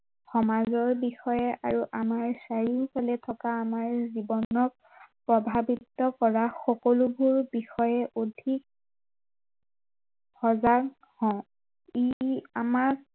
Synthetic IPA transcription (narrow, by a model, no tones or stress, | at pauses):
xɔmazɔɹbixɔjɛʔaɹuʔamaɹsaɹikalɛtʰɔkaːmaɹzibɔnɔk̚ | pɹɔbʱabitɔkɔɹaxɔkɔlubʱuɹbixɔjɛʔodʱik̚ | hɔza | hɔ | iamak